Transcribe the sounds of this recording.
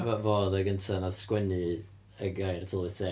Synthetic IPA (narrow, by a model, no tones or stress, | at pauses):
vavoːðaɡəntʰanað̥skwɛnɨ | əɡajrtʰɪlˠvɨsɛ